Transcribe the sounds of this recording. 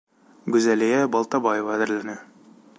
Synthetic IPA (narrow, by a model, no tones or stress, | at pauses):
ɡʉzælæjæbɒlˠt̪ɑbɑjevɑːd̪ɘ̆ɾlænɘ